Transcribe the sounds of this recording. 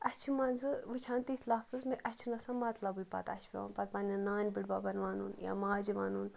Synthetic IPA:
ɐt͡ʃʰimɐnzɨʋɨt͡ʃʰaːnt̪iit̪laːfɨzmeʔɐt͡ʃʰinɐsãːnmɐt̪lɐbɨpɐ̰t̪ɐ̰t͡ʃʰbʲia̰npɐt̪̚paːnʲɐnaːnʲbiɽbaːbɐnʋaːnṵːnja̰ːmaːd͡ʒiʋa̰ːnuːn

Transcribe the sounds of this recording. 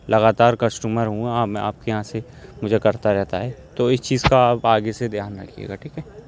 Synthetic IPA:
lɐɡaːt̪aːɾkɐsʈuːməɾɦũaːpm̃a̰ːp̚kejɐɦãse | mʊd͡ʒʱekɐɾt̪aɾɛɦt̪aɦɛːt̪oɪst͡ʃiːzkaːpaːɡesed̪ɪɦaːnɾɐkʰiḛːɡaʈʰiːkɦɛː

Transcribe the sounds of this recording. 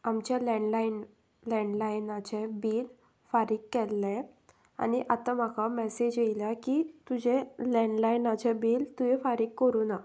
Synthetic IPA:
amt͡ɕalɛɳlain | lɛ̃ɳɖlajnat͡ɕẽbiːl | faɾiːkːɛlːɛ̃ | a̰niʔat̪ãm̤akamɛsed͡ʑjeiljakiːt̪ud͡ʑelɛɳɖlainat͡ɕɛ̃biːlt̪uɦefaɾiːkkːəɾuna

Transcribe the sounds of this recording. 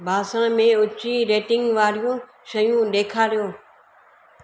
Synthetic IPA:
bʱaːsə̃ɽ̃mẽʊt͡ɕiɾeːʈɪ̃ŋɡʋaːɾijũ | ʃɐjũɗeːkʰaːɾijoː

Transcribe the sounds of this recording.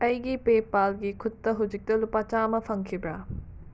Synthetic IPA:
ɐjɡipepalɡikʰutːɐɦud͡ʒik̚tɐlupat͡ʃamɐpʰɐŋkʰibɾa

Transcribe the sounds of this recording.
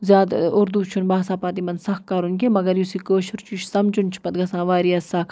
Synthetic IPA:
zʲjaːd̪ʊɾd̪ut͡ʃʰunbaːsaːpaːt̪imɐnsɐxkɐɾunkemɐɡɐɾjusiːkoːʃʊɾt͡ʃʰuʃsɐmd͡ʒunt͡ʃʰi̥pɐt̪ɡɐsãːʋaːɾiɐsɐk

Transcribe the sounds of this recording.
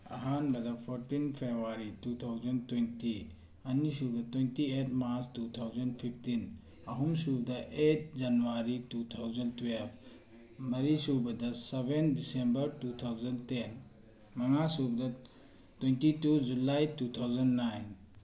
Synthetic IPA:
ɐ̰ɦanbɐd̪ɐpʰɔɾtinpʰebɾuaɾitut̪ʰawzɐntwẽnti | ɐnisub̚dɐtwentiet̚maɾstut̪ʰawzɐnpʰiptin | ɐɦumsub̚d̪ɐʔet̚d͡ʒɐnuaɾitut̪ʰawzɐntwelb | mɐɾisubɐdɐsebendisembɐɾtut̪ʰawzɐndten | mɐŋasub̚dɐ | twentitud͡ʒulajtut̪ʰawzɐnnajn

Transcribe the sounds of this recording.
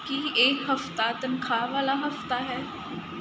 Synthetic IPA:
kieːkhɐft̪at̪ənkʰaːʋaːlaɦɐft̪aɦɛː

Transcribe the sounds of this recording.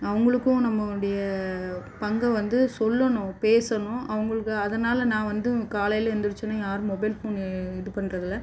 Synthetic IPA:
ɐʋɐŋɡɐɭɯkːʊ̃nɐmːɐɽɐjɐ | pɐŋɡɐʋɐnd̪ɯsɔlːɐɳʊ̃peːsɐnʊ̃ʔɐʋɐŋɡɐɭɯkːɯɐðɐnaːlɐnãːʋɐnd̪ɯkaːlɐjɪlɛnd̪ɯɾɯt͡ʃːɐnːajaːɾɯmɔbɐɪlpunɪðɯpɐɳːɾɐðɪlːɐ

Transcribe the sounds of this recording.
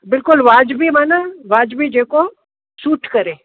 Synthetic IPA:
bɪlkʊlʋaːd͡ʒbʱimaːnaʋaːd͡ʒbid͡ʒeːko | suːʈʰkɐɾẽː

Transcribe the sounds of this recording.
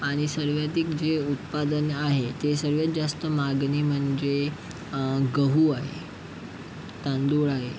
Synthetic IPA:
aɽ̃isəɾʋjad̪iːkd͡ʑeut̪pad̪ənaɦet̪esəɾʋjat̪̚d͡zast̪əmaɡnim̤əɳd͡ze | ɡəɦuaɦḛ | t̪ãnd̪uɭaɦe

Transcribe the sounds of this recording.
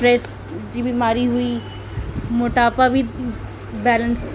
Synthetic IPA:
ɾɛːs | d͡ʒibimaːɾiɦʊiː | mʊʈaːpabi | bɛːləns

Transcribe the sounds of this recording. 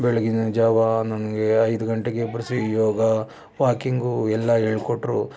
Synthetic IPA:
beɭeɡinɐd͡ʒaːʋɐnɐnɐɡeɐjd̪uɡɐɳʈeɡep̬ɾɐsʋijɔːɡɐ | ʋaːkiŋɡuɛlːɐeɭkoʈːɾu

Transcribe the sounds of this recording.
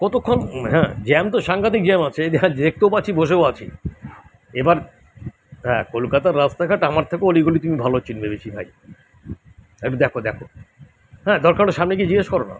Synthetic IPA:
kɔt̪okʰːonɦɛ̃d͡ʑɛmt̪oʃaŋɡat̪̬ik̚d͡ʑɛmat͡ɕʰed̪ad̪ek̚t̪eopat͡ɕʰiboʃ̬eoat͡ɕʰḭ | ebaɾ | ɦɛ̃kolkat̪aɾːast̪akʰaʈamaɾt̪ʰekeoliɡulit̪umibʱalot͡ɕinbebet͡ɕʰibʱa̰j | eʈud̪ɛkʰod̪ɛkʰo | ɦɛ̃d̪ɔɾkaɾoʃamnek̬id͡ʑiɡeʃkɔɾona̰

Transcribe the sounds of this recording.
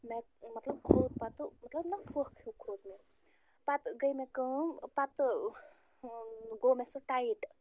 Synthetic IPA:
memɐt̪ləbkʰod̪̚pat̪umɐt̪ləbnɐkʰohkʰjukʰod̪me | pat̪ɡəjmekəɦmpat̪ | ɡomesəʈaiʈ

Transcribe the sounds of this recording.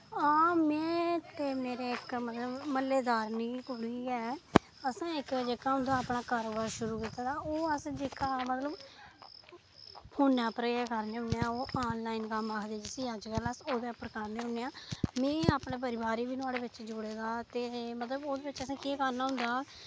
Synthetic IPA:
aːmɛ̃ːt̪eːmeːɾeːɪkmət̪ləbməleːd̪aːɾniːkʊɽiːɛː | əsãːɪkd͡ʒeːkaːɦʊ̃nd̪aːpɳaːkaːɾoːbaːɾʃʊɾuːkit̪aːd̪aːoːəsd͡ʒeːkaːmət̪ləb | pʰoːnɛːpəɾeːkəɾneːʊnejãːoːʔaːnlaːinkəmaːkʰd̪eːd͡ʒɪsiːaːd͡ʒkəlasoːd̪eːpəɾkaɾneːɦʊneːãːmɛ̃ːaːpɳẽːp̬əɾɪbaːɾiːbiːnʊ̃aːɽeːbɪt͡ʃd͡ʒoːɽeːɡaːt̪eːmət̪ləboːd̪eːbɪt͡ʃəsãːkikanaːɦʊ̃nd̪aː

